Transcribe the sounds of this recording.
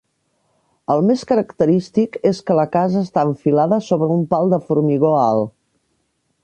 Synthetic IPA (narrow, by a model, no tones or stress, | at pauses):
əlˠmeskəɾəkt̪əɾist̪ikeskələkazəːst̪aəɱfilaðəsoβɾəumpalˠd̪əfuɾmiɣoalˠ